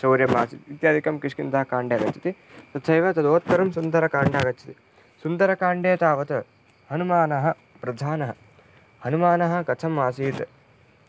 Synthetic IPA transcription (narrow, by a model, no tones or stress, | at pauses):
sɐːɾjɐmaːsit̪iːt̪jaːd̪ʱikɐmkiʂkint̪ɐɦɐkaːɳɖeɐɡɐt͡ʃʰi̥t̪i | sɐt̪ːt͡ʃʰɐjʋɐt̪ɐd̪oːt̪̚kɐɾɐmsund̪ɐɾɐkaːɳɖɐɐɡɐt͡ʃʰit̪i | sund̪ɐɾɐkaːɳɖeːt̪aːʋɐt̪ɐ | hɐnumaːnɐɦɐ̆ | pɾɐd̪ʱaːnɐɦɐ | hɐnumaːnɐɦɐ̆kɐt͡ʃʰɐmːaːsiːt̪ɐ